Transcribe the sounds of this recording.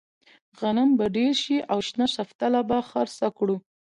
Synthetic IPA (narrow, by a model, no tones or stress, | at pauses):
ɣanambaɖeɾʃiʔawʃnaʃaft̪alabaxaɾsakɽu